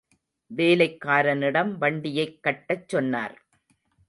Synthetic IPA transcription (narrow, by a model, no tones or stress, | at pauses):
ʋeːlɐɪkːaːɾɐnɪɽɐmʋɐɳɖɪjɐɪkːɐʈːɐt͡ʃːɔnːa̰ːɾ